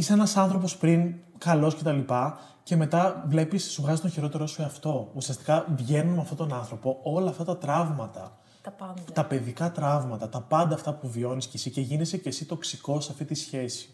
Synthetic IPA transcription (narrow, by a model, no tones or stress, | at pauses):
iseenɐsɐnθɾo̞po̞spɾiŋ | kɐlo̞sce̞t̪ɐlipɐ | ce̞me̞t̪ɐvle̞pisːuɣɐzit̪oçiɾo̞t̪e̞ɾo̞sueɐft̪o̞usiɐst̪i̥kɐvʝe̞nunmeɐft̪o̞t̪o̞nɐnθɾo̞po̞o̞lɐːft̪ɐt̪ɐt̪ɾɐvmɐt̪ɐ | t̪ɐpe̞ðikɐt̪ɾɐvmɐt̪ɐt̪ɐpɐnd̪ɐːft̪ɐpuvio̞niscesice̞ʝinisece̞sit̪o̞ksiko̞sɐft̪it̪isçe̞si̥